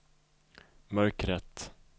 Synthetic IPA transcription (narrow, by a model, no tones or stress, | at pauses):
mœɾkɾɛt̪ː